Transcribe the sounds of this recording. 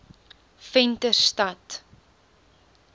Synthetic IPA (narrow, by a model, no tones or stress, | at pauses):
fɛntərstɐt